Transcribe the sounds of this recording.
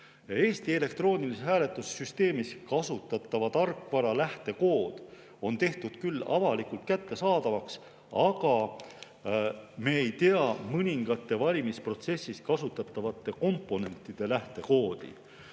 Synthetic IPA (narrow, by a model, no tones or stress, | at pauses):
jɑe̞ːst̪ie̞le̞kt̪ro̞ːnʲilisehɦæːle̞t̪ːˑusːyst̪e̞ːmiskɑsut̪ːˑɑt̪ːˑɑvɑt̪ɑrkːvɑɾɑlæht̪e̞ko̞ːd̪̥ | o̞nt̪e̞ht̪ud̪̥kylːɑ̰vɑlikult̪̚kæt̪ːe̞sɑːd̪̥ɑvɑks | ɑɡ̥ɑ | me̞ejt̪eɑmɤnʲiŋɡ̥ɑt̪ːˑe̞vɑlʲimispro̞t̪se̞sːiskɑsut̪ːˑɑt̪ːˑɑvɑt̪ːˑe̞ko̞mpːˑo̞ne̞nt̪ːˑid̪̥e̞læht̪e̞ko̞ːd̪̥ḭ